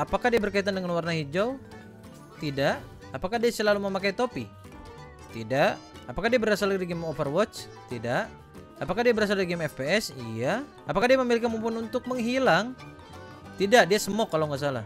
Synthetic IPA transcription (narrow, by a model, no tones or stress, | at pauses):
apakahdiabərkait̪andəŋanwarnahid͡ʒaw | t̪idaʔ | apakadiasəlaluməmakait̪opḭ | t̪idaʔ | apakahdiabəɾasalɾiɡɛmofərwɔt͡ʃ | t̪idaʔ | apakadiabəɾas̬aliɡɛmɛfpeɛsḭja | apakahdiaməmilik̬amumpununt̪ʊk̚məŋɦilaŋ | t̪idaʔdiasəmɔkːalawŋas̬ala̰